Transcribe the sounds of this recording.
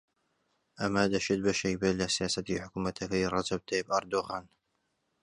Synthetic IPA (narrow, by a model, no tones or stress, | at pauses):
ʔamaːd̪aʃɪd̪̚baʃajbalasjaːsat̪iħʊkumat̪ʰakajrˤɑd͡ʒab̚t̪ajbʔɑɾˤd̪ʊɣaːn